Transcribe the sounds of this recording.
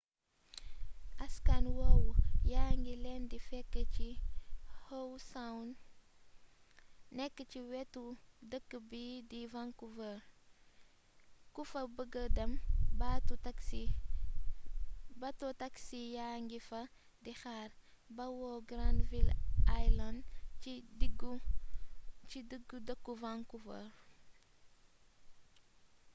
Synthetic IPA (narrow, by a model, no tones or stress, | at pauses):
ʔɐskanwowjaːŋɡilɛndifɛkːəci | howsawn | nɛkːəciwɛtudəkːəbidivaŋkuvə | kufɐbəɡədɐmbat | bɐtɔtaksijaŋɡifɐ | dixaːr | bɐwɔɡɾandvilʔajlandidiɡ | t͡ʃidəɡːudəkːuvaŋkufɐ̰ɾ